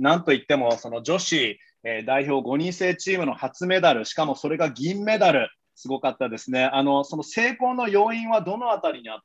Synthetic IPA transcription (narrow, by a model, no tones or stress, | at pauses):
nãnt̪o̞it̪ːe̞mo̞so̞nod͡ʑo̞ɕi | ed̪aiço̞ːɡo̞ɲ̟ĩɰse̞ːt͡ɕiːmɯ̟no̞hat͡sɨme̞d̪aɾɯ̟ɕi̥kamo̞so̞ɾe̞ɡaɡʲĩmːe̞d̪aɾɯ̟ | sɨɡo̞kat̪ːad̪e̞sɨne̞ano̞so̞nose̞ːko̞ːno̞jo̞ːĩɰ̃βad̪o̞no̞at̪aɾʲiɲ̟iat̪ː